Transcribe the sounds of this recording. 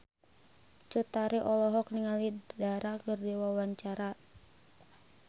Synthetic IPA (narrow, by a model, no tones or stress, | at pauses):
t͡ʃut̪aɾiʔɔlɔɦɔk̚niŋalidaɾakɨrdiwawaɲt͡ʃaɾa